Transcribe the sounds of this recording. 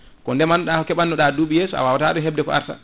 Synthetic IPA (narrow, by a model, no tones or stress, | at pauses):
kɔndɛmanɔɗahɔkɛɓanːɔɗaduːɓijeːsua̰wawataɗunɦɛb̚dɛkɔ̰ʔa̰ɾta̰